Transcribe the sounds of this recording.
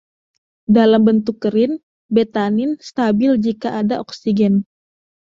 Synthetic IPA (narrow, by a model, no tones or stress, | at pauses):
dalambənt̪ukːəɾɪn | bɛt̪anɪnst̪abɪld͡ʒikaʔadaʔɔksiɡɛn